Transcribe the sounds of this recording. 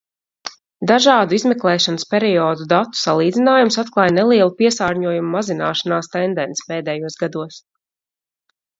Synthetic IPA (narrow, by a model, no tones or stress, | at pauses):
d̪aʒɑːd̪uizmɛklˠɛːʃanəspʲɛɾiɔːd̪ud̪at̪ːu̥salˠiːd̪inaːjumsat̪klˠaːjnɛlˠiɛlˠupiɛsaːɾɲuɔjumumazina̰ːʃanaːst̪ɛnd̪ɛnsi̥peːd̪ɛjuɔsɡad̪uɔs